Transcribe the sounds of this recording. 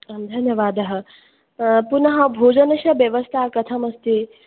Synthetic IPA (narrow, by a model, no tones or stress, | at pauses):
amd̪ʱɐnjɐʋaːd̪ɐɦə | punɐɦɐ̃bʱoːd͡ʒɐnɐʃɐʋjɐʋɐst̪ʰakɐt̪ʰɐmɐst̪e